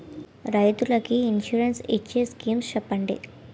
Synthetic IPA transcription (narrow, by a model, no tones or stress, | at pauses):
ɾɐjt̪ulɐkiinʂuɾensit͡ʃːeskiːmst͡ʃɛpːɐɳɖḭ